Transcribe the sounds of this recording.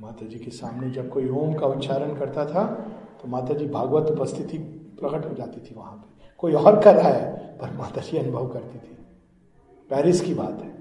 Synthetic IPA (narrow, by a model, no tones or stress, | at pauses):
maːt̪ad͡ʒiːkesaːmned͡ʒɐb̚koːioːmkaʊt̪ːʃʰaːɾənkɐɾt̪at̪ʰat̪omaːt̪ad͡ʒiːbʱaːɡʋət̪ʊpəst̪ʰɪt̪ipɾɐkəʈɦod͡ʒaːt̪it̪ʰiʋɐɦãpekoːiɔːɾkɐt̪ʰaɦɛːpɐɾmaːt̪ad͡ʒiɐnʊbʱəʋkɐɾt̪it̪ʰi | pɛːɾɪskibaːt̪ɦɛː